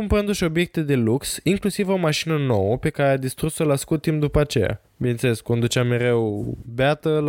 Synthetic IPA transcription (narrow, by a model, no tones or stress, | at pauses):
umpɾɨnd̪uʃʲo̞bje̞k̚t̪ed̪e̞luksiŋklusivo̞maʃinəno̞wəpe̞kaɾead̪ist̪ɾusolaskut̪imd̪upəat͡ʃe̞ja̰ | binet̪sele̞skːo̞nd̪ut͡ʃeamːe̞ɾe̞wbeat̪əl